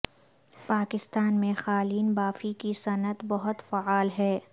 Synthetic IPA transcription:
paːkɪst̪aːnmẽxaːliːnbaːfikisɐnət̪bɐɦʊt̪faaːlɦɛː

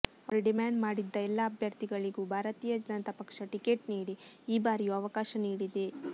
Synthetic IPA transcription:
pɾiɖimaːɳɖmaːɽid̪ːɐɛlːɐːbʱjɐɾt̪iɡɐɭiɡubʱaːɾɐt̪iːjɐd͡ʒɐnɐnt̪ɐpɐkʂɐʈikeʈniːɽiːbaːɾijuɐʋɐkaːʃɐniːɽid̪e

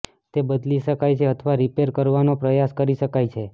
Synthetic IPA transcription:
t̪ebəd̪liʃəkajt͡ʃʰeət̪ʰəʋaɾipeɾkəɾʋanopɾəjaskəɾiʃəkajt͡ʃʰe

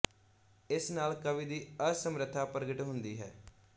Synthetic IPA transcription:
ɪsnaːlkəʋiːd̪iːəsəmɾət̪ʰːaːpəɾɡəʈɦʊnd̪iːɦɛ̰ː

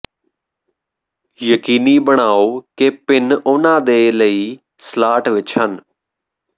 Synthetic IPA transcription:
jəkiːniːbəɳ̃aːoːkepɪnʊnãːd̪eːləiː | slaːʈʋɪt͡ʃɦən

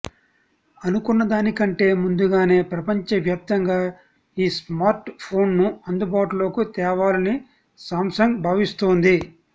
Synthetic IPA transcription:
ɐnukunːɐd̪aːnikɐɳʈe̞ːmund̪uɡaːne̞ːpɾɐpɐɲt͡ʃɐʋjaːp̚t̪ɐŋɡaː | iːsmaːɾʈpʰo̞ːnnuɐnd̪ubaːʈulo̞ːkut̪ɛːʋaːlɐni | saːmsɐŋɡbʱaːʋist̪oːnd̪i

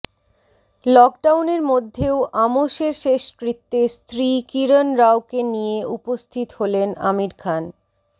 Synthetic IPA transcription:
lɔk̚ɖawneɾmod̪ʱːeoʔamoʃeɾʃeʃkɾit̪ːest̪ɾikiɾonɾawkenijeʔupost̪ʰit̪holena̰miɾkʰan

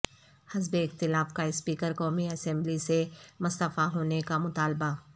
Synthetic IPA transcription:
hɐzbeɪxt̪ɪlaːfkaɪspiːkəɾkɔːmiɐsɛ̃mblisemʊst̪əfaɦoːnekamʊt̪aːlba

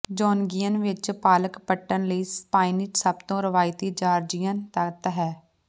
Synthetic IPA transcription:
d͡ʒɔːnɡiːənʋɪt͡ʃpaːləkpəʈːənləiːspaːinɪt͡ʃsəbt̪õːɾəʋaːɪt̪iːd͡ʒaːɾd͡ʒɪjənt̪ət̪ɦɛː

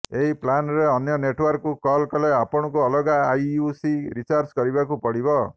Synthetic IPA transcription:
eɦiplanɾeɔnjɔneʈwɔɾkukɔlkɔleapɔɽ̃ɔkuɔlɔɡaːjusiɾit͡ʃaɾd͡ʒkɔɾibakupɔɽibɔ

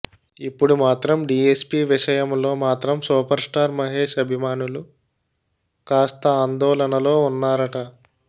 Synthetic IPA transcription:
ipːuɽumaːt̪ɾɐmɖiːespiːʋiʃɐjɐmlo̞ːmaːt̪ɾɐmsuːpɐɾsʈaːɾmɐɦe̞ːʃɐbʱimaːnulu | kaːst̪ɐaːnd̪ɔːlɐnɐlo̞ːunːaːɾɐʈɐ

